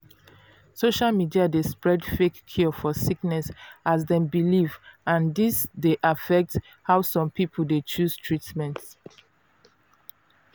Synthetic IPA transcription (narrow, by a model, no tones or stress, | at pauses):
soʃalmidiadespɹɛdfekʰːɔfɔsiknɛsʔasdɛ̃mbilivãndisdeʔafɛk̚t | hawsɔ̃mpipʰldet͡ʃustʰɹitmɛ̃nt